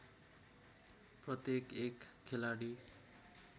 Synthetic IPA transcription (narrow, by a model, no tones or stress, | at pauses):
prʌt̪jekekʰːelaɽi